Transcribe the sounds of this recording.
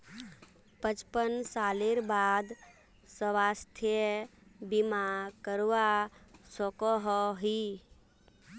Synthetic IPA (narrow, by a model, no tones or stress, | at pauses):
pət͡ʃpənsaleɾbad̪ | səwast̪ʰebimakəɾʋasɔkɔɦɔɦi